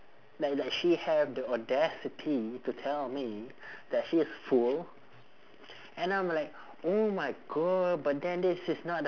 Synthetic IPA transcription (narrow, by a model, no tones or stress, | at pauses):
laɪk̚laɪkʃihɛvdiɔdɛsitʰitutʰɛlmi | dɛtʃiɪsful | ɛ̃nãɪ̃mlaɪk | omaɪɡɔd̚bat̚dɛ̃ndɪsɪsnɔt̚